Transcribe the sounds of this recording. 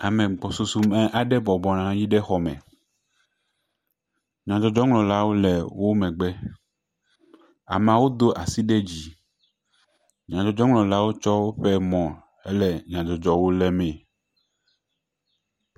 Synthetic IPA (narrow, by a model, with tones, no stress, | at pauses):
a˨mɛ̃˨ɡ͡bɔ˨su˨su˨mɛ̃˨ʔa˨ɖɛ˦bɔ˨bɔ˨nã˨ɲĩ˦ɖɛ˦xɔ˨mɛ̰̃˨ | ɲã˨d͡ʒɔ˨d͡ʒɔ˦ŋlɔ̃˨la˦wo˦lɛ˨wo˦mɛ̃˨ɡ͡bɛ˦ | a̰˨m˨ã˨wo˦d̪o˦ʔa˨si˦ɖɛ˦d͡ʑi˨ | ɲã˨d͡ʒɔ˨d͡ʒɔ˦ŋlɔ̃˨la˦wo˦t͡ʃɔ˦wo˦ɸɛ˦mɔ̃˨ | ɛ˦lɛ˨ɲã˨d͡ʒɔ˨d͡ʒɔ˦wo˦lɛ˦mɛ̃˨